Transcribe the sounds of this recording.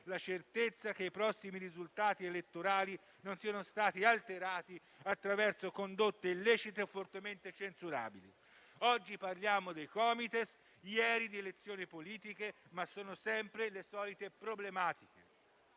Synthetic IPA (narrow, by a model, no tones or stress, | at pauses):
lat͡ʃert̪et̪sːak̟eipɾɔsːimiɾizult̪aːt̪ielet̪ːoɾaːli | nonsianost̪aːt̪ialt̪eɾaːt̪i | at̪ːɾavɛrsokond̪ot̪ːeilːɛːt͡ʃit̪eofːort̪ement̪et͡ʃensuɾa̰ːbili | ɔd͡ʒːiparljaːmod̪ejkɔːmit̪es | jɛːɾid̪ielet̪sːjoːnipoliːt̪ikemasːoːnosɛmpɾelesɔːlit̪epɾoblemaːt̪ik̟e